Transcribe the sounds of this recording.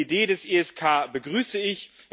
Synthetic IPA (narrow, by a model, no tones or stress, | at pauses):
ideːdɛsʔeːɛskʰaːbəɡʁyːsəɪç